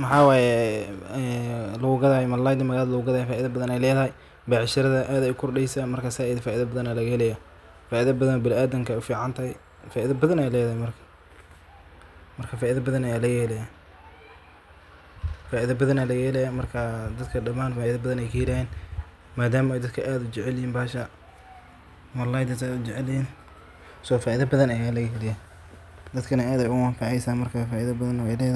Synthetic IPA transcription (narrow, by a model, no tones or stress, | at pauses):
mɐħɑːwaːjɛ | lʊɣʊɡɐðaːhmɐlajd̪ɪmɐɣaːlɐðɐlʊɣʊɡɐðaːjɛfaːʔɪðɐbɐðɐnɛjlɛːðɐhɛj | baːʕɪʃɐɾɐðɐʔaːðɛjʊkʰɔrɖɛjsaːmɐrkʰaːsaʔjðfaːʔɪðɐbɐðɐnaːlɐɣɐhɛlɛjaː | faːʔiðɐbɐðɐnɔbɪlaːd̪ɐŋkʰɐʊfiːʕɑnt̪ʰɐhɛj | faːʔɪðɐbɐðɐnɛjlɛːðɐhɛmɐrkʰɐ̥ | mɐrkʰɐfaːʔɪðɐbɐðɐnɐjaːlɐɣɛhɛlɛjaː | faːʔiðɐbɐðɐnaːlɐɣɛːlɛjamɐrkʰɐd̪ɐd̪kʰɐɖɐmaːnfaːiðɐbɐðɐnɛjkʰɐjɪlahɛːn | maːd̪aːmɐɛjd̪ɐd̪kʰɐʔaːd̪ʊt͡ʃɛʕɛlɪhiːnbaːʃɐ | mɐlːajd̪ɐsaːd̪ʊt͡ʃɛʕɛlhiːn | sɔːfaːʔiðɐbɐðɐnɐjaːlɐɣjɪlɪjaː | d̪ɐd̪kʰɐnɐaːðɛjʊwaːŋkʰɑʕɛjsaːnmɐrkʰafaːʔiðɐbɐðɐnwɛjlɛːð